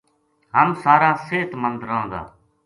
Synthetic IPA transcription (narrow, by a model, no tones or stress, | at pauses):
ɦəmsaːɾãːseːt̪mənd̪ɾəɦõːd̪a̰ː